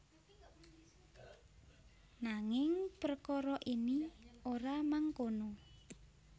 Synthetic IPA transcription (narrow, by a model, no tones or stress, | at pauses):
naŋɪŋpərkɔɾɔʔinioɾamaŋkono